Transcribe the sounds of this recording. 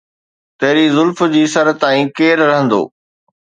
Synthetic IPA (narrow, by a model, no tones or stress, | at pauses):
t̪ɐɦɾizʊlfd͡ʑiːsɐɾt̪aːĩːkeːɾɾɐɦə̃nd̪o̰ː